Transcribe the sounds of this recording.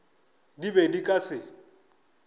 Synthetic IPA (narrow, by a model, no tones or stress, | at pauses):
dibedikʼasɪ